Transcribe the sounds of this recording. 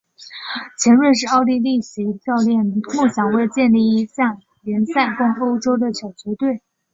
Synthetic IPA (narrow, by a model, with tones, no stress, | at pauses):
t͡ɕʰjɛ˧˥nɻə˥˧ʂ̬ɻ̩˥˧ɑ˥˧ʊli˥˧li˥˩ɕi˧˥t͡ɕɑ˥˧ʊljɛ˥˩nmu˥˩ɕjɑ˨˩ŋwe˥˧ɪt͡ɕjɛ˥˧nli˥˩i˧˥ɕjɑ˥˩ŋ | ljɛ˧˥nsa˥˩nkʊ˥ŋo˥ʊʈ͡ʂo˥ʊd̪ə˨ɕjɑ˨˩ʊt͡ɕɥɛ˧˥t̪we˥˩ɪ